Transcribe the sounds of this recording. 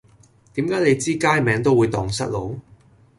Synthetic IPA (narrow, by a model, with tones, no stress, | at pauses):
t̪iː˨˥mkaː˨˥jnle˨˧jt͡siː˥kaː˥jmɛː˨˧ŋt̪o˥wuː˨˧jt̪ɔː˨˩ŋsɐ˥t̚lo˨˧w